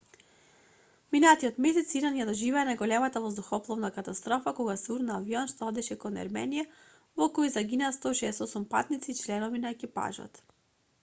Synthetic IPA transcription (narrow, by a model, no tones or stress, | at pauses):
minat̪iɔt̪mɛsɛt̪siɾanjad̪ɔʒivɛːnaɡɔlɛmat̪avɔzd̪uxɔplˠɔvnakat̪ast̪ɾɔfakɔɡasɛuɾnaːviɔnʃt̪ɔɔd̪ɛʃɛkɔnɛ̰ɾmɛnija | vɔkɔizaɡinast̪ɔʃɛːsɔsumpat̪nit̪siːt͡ʃlɛnɔvinaɛkipa̰ʒɔ̰t̪